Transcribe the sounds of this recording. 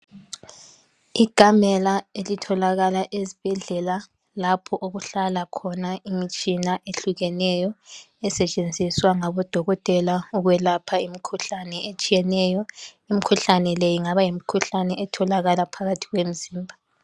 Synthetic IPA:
iɡ̥ʱamɛlaelitʰɔlaɣalaʔezib̥ʱɛɮɛla | lapʰɔʔoɣuɬalakʰɔnaimit͡ʃʼinaʔeɬuɣɛnɛjɔ | ɛsɛt͡ʃʼend͡zʱiswaŋaβɔd̥ʱɔɣɔtʼɛlauɣwɛlapʰaimikʰuɬanɛet͡ʃʼijɛnɛjɔ | imikʰuɬanɛlɛjiŋaβajim̩kʰuɬanɛʔɛtʰɔlaɣalapʰaɣatʰiɣwem̩ziːmbʱa

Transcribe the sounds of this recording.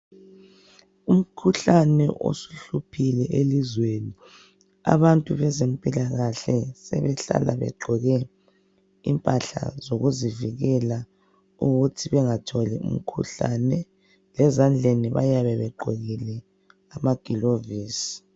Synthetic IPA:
um̩kʰuɬanɛ̰ʔo̰su̥ɬupʰilɛʔelizweni | a̰βantʼuβɛzem̩pʼilaɣaɬɛsɛ̰βɛɬa̰la̰βɛ̰ɡ͡ǃʱɔɣɛ | ḭmpʼaɬa̰zoɣuziviɣɛla | uɣutʰiβɛŋatʰɔliṵm̩kʰṵɬanɛ | lɛzand͡ɮʱeniβajaβɛβɛɡ͡ǃʱɔɣilɛ | amaɡ̥ʱiloviːsi̥

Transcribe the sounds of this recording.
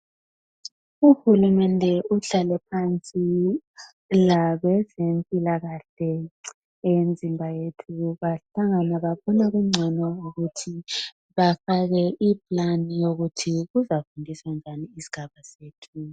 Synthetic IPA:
uhulumɛndʱɛuɬalɛpʰant͡sʼi | laβɛzempʼilaɣaɬɛ | end͡zʱimbʱajetʰuβaɬaŋanaβaβɔnaɣuŋ͡ǀʱɛnɔuɣutʰi | βafaɣɛʔipʼlanijoɣutʰiɣuzafundʱiswand͡ʒʱaniːsi̥ɣ̥ʱaβaseːtʰu

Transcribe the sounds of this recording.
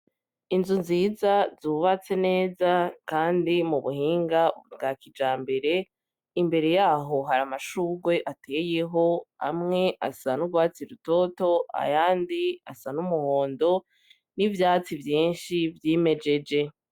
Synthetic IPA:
inzunziːzazuβat͡se̞ne̞ːzakaːndimuβuhiːŋɡab̚ɡaːkid͡ʒaːmbe̞ɾe̞ | imbe̞ɾe̞jaːɦo̞ɦaɾamaʃuːɡwe̞ʔatʰe̞ːje̞ɦo̞ha̰mŋe̞ʔasanuɡwaːt͡siɾuto̞to̞a̰jaːndia̰sanumuho̞ːndo̞ | nivjaːt͡sivjiːnʃivjeːme̞d͡ʒe̞d͡ʒe̞

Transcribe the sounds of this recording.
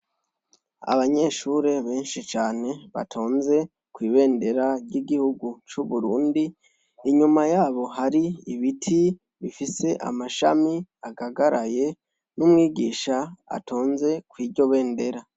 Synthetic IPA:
a̰βaɲe̞ːʃuːɾe̞βe̞ːnʃit͡ʃaːne̞βa̰tʰoːnze̞ | kwiːβe̞ːnde̞ɾaɾɟiɡihuɡut͡ʃuβuɾuːndiː | ɲumajaːβo̞ɦaɾiiβitʰi | βifise̞ʔa̰maʃa̰miaɡaɡaɾaje̞ | numŋiːɡiːʃaa̰tʰoːnze̞kwiːɾɟo̞βe̞ːnde̞ɾa

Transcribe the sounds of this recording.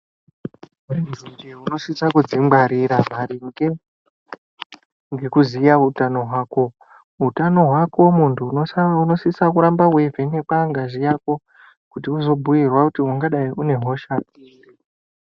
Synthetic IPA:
meʐind͡ʒeuno̞sisakud͡zimaɾiɾamaɾiŋɡe | ŋɡe̞kuzijautano̞ɦwaːko̞ | utano̞ɦwako̞muntʰuunosisakuɾambawe̞vʱenekaŋɡaʐijaːko̞ | kutiuzo̞bʱujirwakutiɦuŋɡaɗaiʔune̞ɦo̞ʃainde

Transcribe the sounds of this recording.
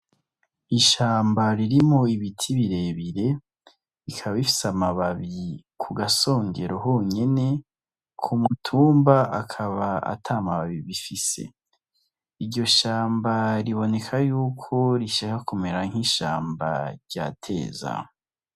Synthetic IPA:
iʃaːmbaɾiɾimo̞iβitʰiβiɾe̞βiɾe̞ | ikʰaβaβifi̥samaβaβi | kʰuɡaso̞ːŋɟe̞ɾoɦo̞ɲe̞ne̞ | kʰumutʰuːmbaakʰaβaa̰tʰamaβaβiβifise̞̰ | iɾɟo̞ʃaːmbaɾiβo̞ne̞kʰajuːkʰo̞ɾiʃakakumeɾaŋ̥hiʃa̰ːmba̰ɾɟa̰ːtʰe̞̰ːza̰

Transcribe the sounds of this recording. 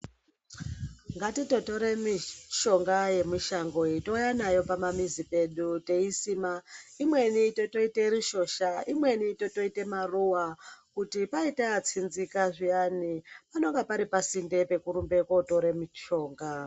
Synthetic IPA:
ŋɡatito̞to̞ɾemiʃo̞ŋɡaje̞miʃaŋɡoitojanajo̞pamamizipe̞ɗute̞isiːmaimwe̞nitoto̞ite̞ɾiʃo̞ːʃaimwe̞nitoto̞itemaruwakutipaiteːt͡sinzikaʐijanipano̞ŋɡapaɾipasinde̞pe̞kuɾumbe̞koto̞ɾemit͡ʃo̞ːŋɡa

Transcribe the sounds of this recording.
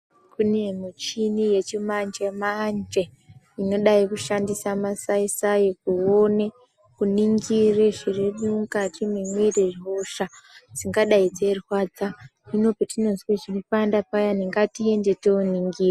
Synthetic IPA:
kʰune̞mit͡ʃinije̞t͡ʃimand͡ʒemand͡ʒe̞ | ino̞ɗaikuʃandisamasaisajekuone | kuniŋɡireʐireɗuŋkatimemweɾeʐiɦoʃad͡ziŋɡaɗaid͡ze̞rwaːd͡zaino̞petino̞nzweʐinipandapajaniŋɡatie̞ndetouniŋɡiːre

